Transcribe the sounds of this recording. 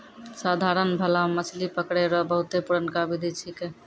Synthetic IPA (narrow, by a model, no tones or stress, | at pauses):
sad̪ʱaɾənbʱəlamət͡ʃʰlipəkɽeɾɔbəɦut̪epuɾənkabid̪ʱit͡ʃʰike